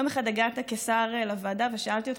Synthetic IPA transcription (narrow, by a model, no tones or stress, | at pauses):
omeχad̪aɡat̪akesaʁlavaːdaveʃaalt̪iot̪